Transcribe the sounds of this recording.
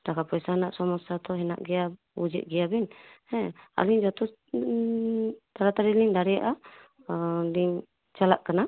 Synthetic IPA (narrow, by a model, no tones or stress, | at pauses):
takapɔɛsaɦnaʔsɔmɔsat̪ɔɦɛna̰ʔɡɛa | ud͡ʒɛ̰ʔɡiabinhɛa̰liŋd͡ʒɔt̪ɔ | t̪aɾat̪aɾiliŋdaɾɛʔa | diŋ | t͡ʃalaʔkənaʔ